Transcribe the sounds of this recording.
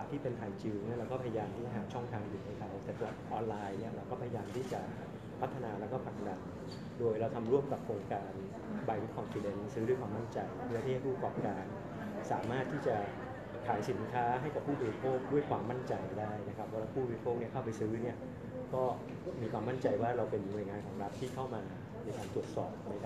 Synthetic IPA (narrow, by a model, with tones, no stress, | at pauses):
a˨˩t̪ʰːiː˥˩pe˧np̪ʰaː˨˧˩nt͡ɕɯː˧ŋn˦˥˩ɾa˧wkɔː˥˩pʰa˧ja˧jaː˧mʰiː˥˩t͡ɕa˨˩ɦaː˩˦t͡ɕʰɔ˥˩ŋt̪ʰaː˧ŋju˨˩na˥˩jkʰa˦˥wt̪ɛ˨˩t̪a˨˩a˨˩t̪̚ʔɔː˧nlaː˧jni˥˩ɐɾa˧wkɔː˥˩pʰa˧ja˧jaː˧mt̪ʰiː˥˩t͡ɕa˨˩ | pʰa˦˥t̪ʰːa˧naː˧ɾɛː˦˥wkɔː˥˩pʰa˨˩k̚da˧n | doː˧jɾa˧wt̪ʰa˧mɾu˥˩əmka˨˩p̚kʰoː˧ŋkaː˧n | ba˧ji˦˥kʰɔ˧nfi˧de˧nsɯː˦˥ɾu˥˩jkʰwaː˧ma˥˩nt͡ɕa˧jpʰɯ˧˥t̪ʰiː˥˩˧jpʰuː˥˩a˧kɔː˨˩p̚kaː˧n | saː˩˦maː˥˩t̪ʰːiː˥˩t͡ɕa˨˩ | kʰaː˩˦jsi˨˩˦nkʰaː˦˥ɦa˥˩jka˨˩pʰːuː˥˩bɔː˧ɾi˥pʰoː˥˩k̚du˥˩əjkʰwaː˧mːa˥˩nt͡ɕa˧jdaː˥˩jna˦˥kʰa˦˥p̚ʰːɔ˧laː˧˥pʰuː˥˩bɔː˨˧ɾi˥pʰoː˥˩k̚ni˥˩ɐkʰa˥˩wpa˧jsɯː˦˥ni˥˩ɐ | kɔː˥˩ | miː˧kʰwaː˧ma˥˩nt͡ɕa˧jwaː˥˩ɾa˧wpe˧nːu˧əjŋaː˧nkʰɔː˩˦ŋɾa˦˥t̪ʰːiː˥˩kʰa˥˩wmaː˧ | na˧jkaː˧nt̪ɾu˨˩ət̪̚sɔ̰ː˨˩p̚ma˦˥jkʰa˦